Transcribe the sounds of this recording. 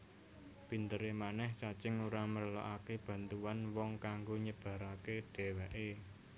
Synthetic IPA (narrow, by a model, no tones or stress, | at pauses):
b̥i̤nt̪əɾemanɛhsat͡ʃɪŋuɾamərla̰ʔakeb̥ä̤nt̪uwanwɔŋkaŋɡoɲəb̥ä̤ɾaked̪̥e̤weʔe